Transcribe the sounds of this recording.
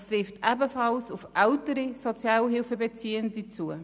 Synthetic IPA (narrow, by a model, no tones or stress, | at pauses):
stɾɪftæbəfɑlsufʔɛʊtəɾisot͡sjɑːlɦɪlfəbet͡siːəndit͡suə